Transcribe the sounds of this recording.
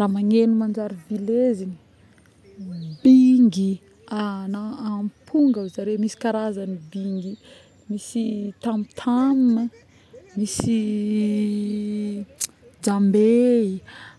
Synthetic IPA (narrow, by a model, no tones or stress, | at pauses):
raːmaŋenumand͡ʒaɾivilezini̥ | biŋɡi | anaampʰuŋɡawzaɾemisi̥kaɾazanibiŋɡi | misit̪amit̪ʰaminə | misi | d͡ʒambei